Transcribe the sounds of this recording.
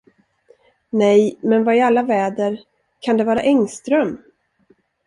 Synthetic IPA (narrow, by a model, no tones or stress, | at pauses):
nɛjmɛnvaɪalːavɛːd̪əɾ | kʰand̪ɛvɑːɾa̰ʔɛŋst̪ɾœm